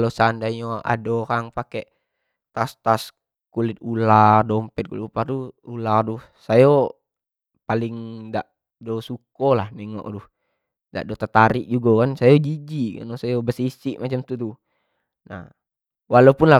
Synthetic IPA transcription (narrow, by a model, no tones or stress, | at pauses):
losandaɲɔa̰dɔkaŋpakɛʔ | t̪ast̪as | kulit̪̚ulardɔmpɛt̪̚kulit̪upat̪uuladuh | sajo | paliŋdaʔ | dɔsukɔlahnɛŋɔ̰ʔduh | da̰ʔdɔt̪at̪aɾiʔd͡ʒuɡɔkansajod͡ʒid͡ʒika̰nɔsajobəsisiʔmat͡ʃamt̪ut̪u | na̰h | walopunla